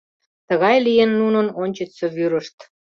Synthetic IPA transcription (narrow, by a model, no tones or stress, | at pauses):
t̪əɣɑjlijenːunənonʲt͡ɕə̆seβyɾə̆ʃt̪